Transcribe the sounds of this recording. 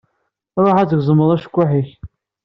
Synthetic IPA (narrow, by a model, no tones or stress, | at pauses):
ɾˤoħat͡səɡzˤəmːəðˤæʃə̥kʷːaħiç